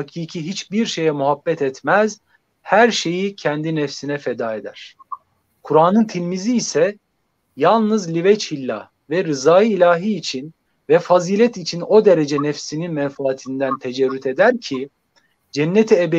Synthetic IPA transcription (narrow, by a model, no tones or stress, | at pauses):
hacʰiːcʰiɦit͡ʃbiɾʃe̞jɛmuɦabːɛt̪ɛt̪mæz | hæɾʃe̞jicʰɛnd̪inɛfsinɛfed̪aːed̪æ̰ɾ̥ | kʰuɾaːnɯnt̪ʰilʲmiziːsɛ | jalˠnɯzlʲivɛt͡ʃʰilʲːa̰ | vɛɾɯzaːjiːlʲaːɦiːt͡ʃʰin | vɛfaziːlʲɛt̪it͡ʃʰino̞d̪eɾed͡ʒɛnɛfsininmɛɱfaːt̪ʰind̪ænt̪ʰed͡ʒɛɾːyt̪ʰe̞d̪æɾcʰi | d͡ʒɛnːet̪ʰiebe